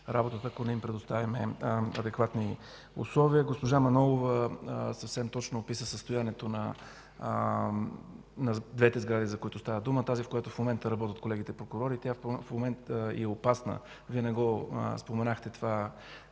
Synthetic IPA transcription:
ɾabot̪ət̪əɐkonɛimpɾɛd̪ʊst̪avʲimɛɐd̪ɛkvat̪ni | ʊ̰slˠɔviəɡospoʒamɐnɔlˠovəsɐfsɛmt̪ɔt͡ʃnoːpisəsəst̪ojanɛt̪onɐ | nɐd̪vɛt̪ɛzɡɾad̪izɐkoit̪ʊst̪avəd̪umət̪azifkojat̪ofmomɛnt̪əɾɐbɔt̪ət̪̚kolɛɡ̟it̪ɛipɾokʊɾɔɾit̪jafmomɛnt̪ḭɛopasnə̰ | viənɛɡɔ̰spomɛnaxt̪ɛt̪ova

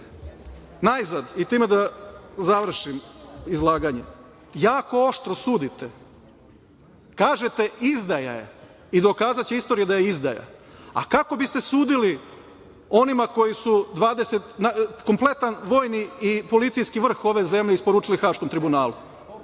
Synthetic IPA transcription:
najzad̪it̪iːmed̪azaʋr̩ʃimizlˠaːɡaɲḛ | jaːko̞oʃt̪ɾosuːd̪it̪e | kaːʒe̞t̪e̞izd̪aja̰jḛ | id̪o̞kaːzat͡ɕeist̪o̞ːɾijed̪ajeizd̪aja̰a̰kako̞bist̪e̞suːd̪ili | o̞nimako̞jisud̪ʋaːd̪e̞set̪nako̞mplˠe̞t̪anʋo̞ːjniipo̞lit̪sijskiʋr̩xo̞ʋe̞ze̞mʎeispoɾuːt͡ʂilixaːʃko̞mt̪ɾibunaːlu

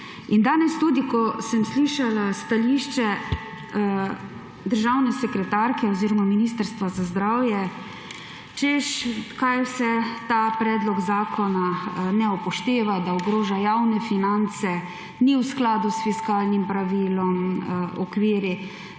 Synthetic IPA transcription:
ind̪aːnɛst̪uːd̪ikɔsəmsliʃalast̪aliʃt͡ʃɛ | d̪əɾʒawnɛsɛkɾɛt̪aɾkɛɔziːɾɔmaminiːst̪əɾst̪ʋazazd̪ɾaːwjɛ | t͡ʃɛʃkajwsɛt̪aːpɾɛːd̪lɔɡzaːkʰɔnanɛɔpɔʃt̪eːʋad̪aɔɡɾoːʒajawnɛfinant̪sɛ | niwsklaːd̪usfiskaːlnimpɾaʋiːlɔmɔkʋiːɾi

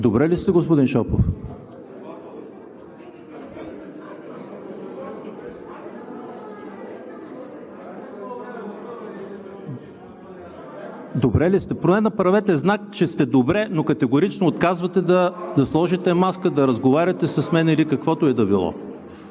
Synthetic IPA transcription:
d̪obɾɛlist̪ɛɡospʊd̪inʃɔpof | d̪obɾɛlist̪ɛpɾonɛnɐpɾɐvɛt̪ɛznakt͡ʃɛst̪ɛd̪obɾɛnokɐt̪ɛɡoɾit͡ʃnoːt̪kazvɐt̪ɛd̪ɐd̪ɐslˠɔʒit̪ɛmaskəd̪ɐɾəzɡovaɾʲɐt̪ɛsɐsmɛnilikɐkvɔt̪oɛd̪ɐbilˠɔ̰

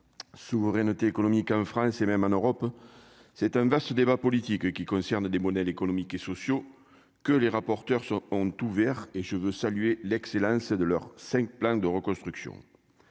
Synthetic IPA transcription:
suvəʁɛnət̪eːkonomikɑ̃fχɑ̃semɛmɑ̃nøʁɔp | sɛt̪ɛ̃vast̪əd̪ebapɔlit̪ikkʲikɔ̃sɛʁnəd̪emɔd̪ɛlekonomikesɔsjo | kəleʁapɔʁt̪œʁsɔ̃ɔ̃t̪uvɛʁeʒəvøsalyelɛkselɑ̃səd̪əlœʁsɛ̃ŋk̚plɑ̃d̪əʁəkɔ̃st̪χyksjɔ̰̃

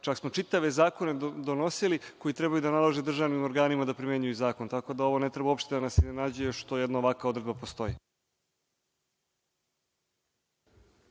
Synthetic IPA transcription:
t͡ʃaksmo̞t͡ʃit̪aʋe̞zaːko̞ne̞d̪o̞no̞siliko̞jit̪ɾebajud̪analˠaʒed̪r̩ʒaʋnimo̞ɾɡaːnimad̪apɾimjeɲujuzaːko̞nt̪ako̞d̪ao̞ʋo̞ne̞t̪ɾe̞bao̞pʃt̪e̞d̪anasiznenaːd͡ʑuje̞ʃt̪o̞jed̪nao̞ʋakao̞d̪ɾe̞d̪bapo̞st̪o̞ji

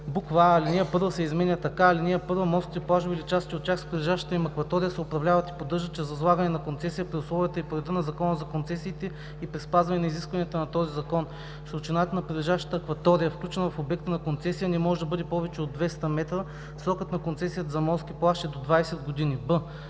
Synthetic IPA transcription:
bukvaːliniəpɤɾvəsɛizmɛnʲət̪ɐkaːliniəpɤɾvəmɔskt̪ʲiplˠaʒbilit͡ʃast̪t͡ʃiot̪̚t͡ʃʲaxspɾʲilɛʒaʃt̪ə̥t̪əimɐkvɐt̪ɔɾijəsɛopɾɐvlʲavɐt̪i̥pod̪ɤɾʒət̪̚t͡ʃɛzɐzlˠaɡənɛnɐkont̪sɛsijəpɾiʊslˠɔvijət̪əipoɾɛd̪ənɐzɐkɔnəzɐkont̪sɛsiːt̪ɛ | ipɾispazvɐnɛnɐiziskvɐnijət̪ənɐt̪ɔzizɐkɔn | sɾʊt͡ʃinat̪ənɐpɾid̪lɛʒaʃt̪ə̥t̪əːkvɐt̪ɔɾijəfklʲut͡ʃɛnɐvɐfobɛk̚t̪ənɐkont̪sɛsijənɛmɔʒɛd̪ɐbɤd̪ɛpɔvɛt͡ʃɛod̪vɛst̪əmɛt̪ɾə | fsɾɔkət̪nɐkont̪sɛsijət̪əzɐmɔskʲiplˠaʃt̪ɛd̪od̪vajsɛd̪ɡod̪inibɤ

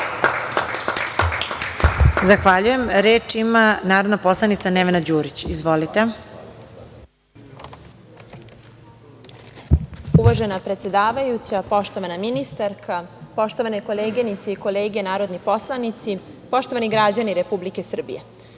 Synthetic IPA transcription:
zaxʋaʎuje̞mɾeːt͡ʃimanaːɾod̪napo̞slˠanit̪saneʋenad͡ʑuːɾit͡ɕizʋo̞lit̪e | uʋaʒe̞napɾe̞t̪se̞d̪aːʋajut͡ɕapo̞ʃt̪o̞ʋanaminist̪aɾkʰapo̞ʃt̪o̞ʋanekoleːɡenit̪seiko̞leːɡenaːɾo̞d̪nipo̞slˠanit̪sipo̞ʃt̪o̞ʋaniɡɾad͡ʑaniɾepublike̞sr̩bḭje

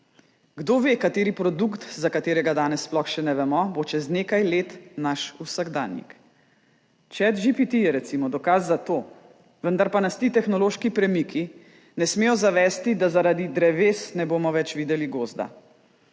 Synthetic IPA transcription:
ɡd̪oʋeːkat̪eːɾipɾɔd̪ukt̪zakat̪eːɾɛɡad̪aːnɛsːplɔxʃɛnɛʋɛmɔbot͡ʃɛzneːkajleːt̪naʃusaɡd̪a̰ːnjḭk | t͡ʃɛt̪ʒipit̪ijɛɾɛt̪simɔd̪ɔkazːat̪oː | ʋənd̪aɾpanast̪iːt̪ɛxnɔloːʃkipɾɛmikʰi | nɛsmeːjɔzaʋɛːst̪id̪azaɾad̪id̪ɾɛʋeːsnɛboːmɔʋɛt͡ʃʋiːd̪ɛliɡoːzd̪a̰

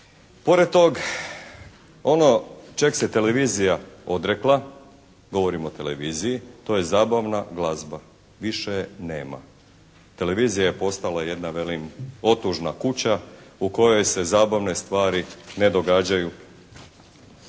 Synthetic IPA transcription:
po̞ɾed̪̚t̪o̞ɡ | o̞no̞t͡ʃekset̪e̞le̞ʋiːzijao̞d̪ɾeklˠa | ɡo̞ʋo̞ɾimo̞t̪e̞leʋizijit̪o̞je̞zaːbaʋnaɡlˠazba | ʋiʃene̞ːma̰ | t̪e̞le̞ʋiːzijaje̞po̞st̪alaje̞d̪naʋe̞limo̞t̪uʒnakut͡ɕauko̞jo̞jse̞zaːbaʋne̞st̪ʋaːɾine̞d̪oɡaːd͡ʑaju

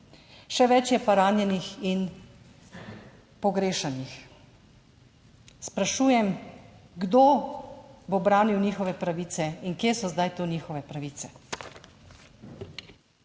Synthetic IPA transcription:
ʃɛʋɛt͡ʃjɛpaɾaːnjɛnixin | pɔɡɾeːʃanix | spɾaʃuːjɛmɡd̪oː | bobɾaːniwniːxɔʋɛpɾaʋiːt̪sɛiŋkjeːsɔzd̪ajt̪oːniːxɔʋɛpɾaʋiːt̪sɛ

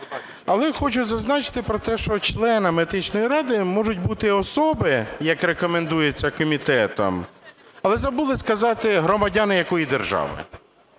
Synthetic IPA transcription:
ɐlˠɛxɔt͡ʃʊzɐznɑt͡ʃɪ̥t̪ɪpɾɔt̪ɛʃt͡ʃɔt͡ʃlˠɛnɐmed̪ɪt͡ʃnɔjiɾɑd̪ɪmɔʒʊtʲbut̪ɪɔsɔbɪjɐkrekɔmend̪ujet͡sʲːɐkɔmʲit̪ɛt̪ɔ̰mɐlˠɛzɐbulˠɪskɐzɑt̪ɪɦɾɔmɐdʲanɪjɐkɔjid̪erʒɑ̰ʋɪ̰

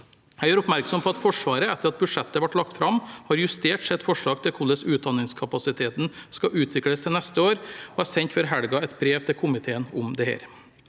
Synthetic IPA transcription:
hæɪjøːɾʊpmæɾksɔmpʰɔɑt̪fɔʂʋɑːɾəɛt̪ːəɾɑt̪̚bʉʂɛt̪ːəʋɑʈːlɑkt̪fɾɑmhɑɾjʉst̪eːʈsɛt̪fɔʂɭɑːɡ̚t̪ʰɪlkʰʊlːəsʉːt̪̚d̪ɑnɪŋskʰɑpɑsɪt̪ʰeːt̪n̩skɑʔʉːt̪ʰʋɪkɽəsɛnɛst̪əoːɾoæsɛɲt̪fɔɾɦæɽɡɑɛt̪bɾeːʋt̪ʰɪlkʰʊmɪt̪ʰeːənʊmd̪ɛhḛːɾ

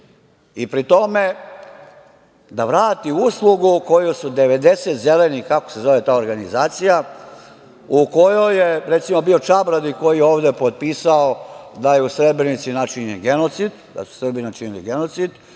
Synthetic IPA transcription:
ipɾit̪o̞me̞ | d̪aʋɾaːt̪iuslˠuɡuko̞jusud̪eʋe̞d̪e̞set̪ze̞lenikakose̞zo̞ʋe̞t̪aːoɾɡanizaːt̪sija | uko̞jo̞jeɾet̪simobio̞t͡ʃabɾad̪iko̞jijeo̞ːʋd̪epo̞t̪̚piːsaod̪ajeusɾe̞bɾenit̪sinat͡ʃiɲenɡe̞no̞t̪sid̪d̪a̰su̥sr̩binat͡ʃinilḭɡeno̞t̪sid̪

